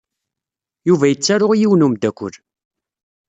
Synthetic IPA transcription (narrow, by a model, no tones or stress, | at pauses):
juvæjət͡sːaɾʊʁijiwnumd̪ækʷːʊ̰l